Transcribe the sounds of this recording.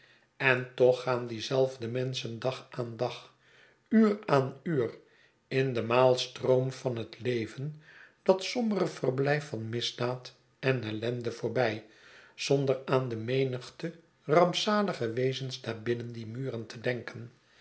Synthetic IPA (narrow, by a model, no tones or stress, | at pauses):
ɛntɔχaːndizɛlˠvdəmɛnsəndɑχaːndɑχ | yːraːnyːr | ɪndəmaːlˠstroʊmvɑnɦətlejvənd̥ɑtsɔmərəv̥ərblɛjfɑnmɪzdaːt | ɛnɛlɛndəvoːɹbɛj | z̥ɔndəraːndəmejnəχtə | rɑmpsaːləχəʋejzənsdaːɹbɪnəndimyːrəntədɛŋkən